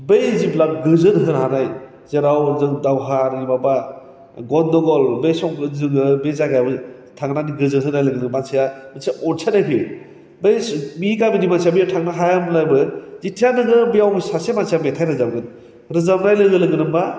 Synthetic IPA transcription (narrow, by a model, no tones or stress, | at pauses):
bejziblak̚ɡɯzɯnɦɯɾɦanaj | z̥eɾawzɯŋdawɦaɾibaba | ɡɔndɔɡɔlbejsɔŋɡɯzɯŋɯbezaɡabɯ | tʰaŋnaniɡɯzɯnɦɯnajlɯɡɯnɯmansijamɯnsijaʔɔnsʰatnajpʰi | bejmiɡabinimansijabijatʰaŋnaɦajamlajbɯzitʰijanɯɡɯbɯjawsasemansijabetʰajɾɯzabɡɯn | ɾɯzabnajlɯɡɯlɯɡɯnɯmba